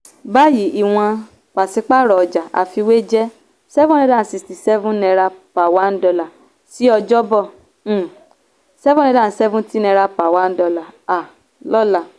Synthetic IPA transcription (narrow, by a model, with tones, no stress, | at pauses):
ba˦ji˨˦i˨w̃ã˧ | k͡pa˨si˧˦k͡pa˦ɾɔ˨ɔ˨d͡ʒa˨ʔa̰˨fi˧we˦d͡ʒɛ˦ | sɛ˦vũ˦nɛ̃˧dã˦˨˦si˧˨sti˨sɛ˦vũ˦nɛ̃˧ɾa˧pa˨wa˨˦n̩˦dɔ˧la˨ | si˨˦ɔ˧d͡ʒɔ˦bɔ̃˦˨ | sɛ˦vũ˦ɛ̃˧dã˦˨˦sɛ˦vũ˦ti˦nɛ̃˧ɾa˧pa˨wa˨˦n̩˦dɔ˧la˨a˨ | lɔ˦la˦˨